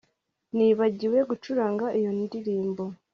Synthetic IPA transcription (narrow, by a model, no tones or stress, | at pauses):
niːβaɟiwe̞ɡut͡ʃuɾaːŋɡaʔijo̞ndiɾiːmbo̞